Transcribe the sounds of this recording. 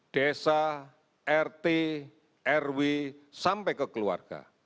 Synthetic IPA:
ɖ̥esa | ɛrt̪e | ɛrwisampɛkəkəlua̰rɡ̥a̰

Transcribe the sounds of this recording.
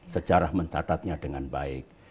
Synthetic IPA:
sət͡ʃaɾahməɲt͡ʃa̰t̪at̪̚ɲadəŋanbaɪk̚

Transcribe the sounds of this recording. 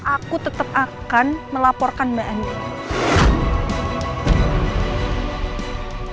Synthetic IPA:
ʔakut̪ət̪əp̚akanməlapɔrkanmaʔɛn

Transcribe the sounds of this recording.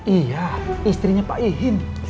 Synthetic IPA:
ijaist̪ɾiɲapaʔiɦɪn

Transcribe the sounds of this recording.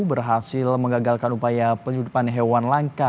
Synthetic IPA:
bərɦasɪlməŋɡaɡalkanupajapəɲudupanɦewanlaŋka

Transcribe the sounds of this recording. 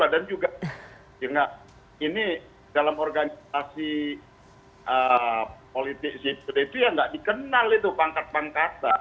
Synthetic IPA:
badand͡ʒuɡa | jaŋɡaʔ | ini | dalamorɡanisasi | ʔəpolit̪ɪk̚sipedet̪ijaŋɡaʔdikənalit̪upaŋkat̪̚paŋkat̪a

